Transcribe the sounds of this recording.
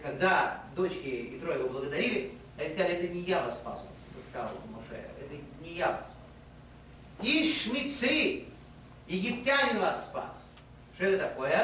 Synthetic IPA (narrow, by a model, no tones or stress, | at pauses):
kɐɡd̪ad̪o̞t͡ɕkʲɪɪt̪ɾojɪvoblˠəɡəd̪ɐɾʲilʲɪ | ɐɪsk̪ʲalʲɪɛt̪ənʲɪjavasspa̰so̰st̪əkskɐzal̰lˠmɔʂɛ̰ɛt̪ənʲɪjava̰spas | iʂmʲɪt̪sɾʲi | jɪɡʲɪptʲanʲɪnvasːpa̰s | ʂoɛt̪ət̪ɐkojə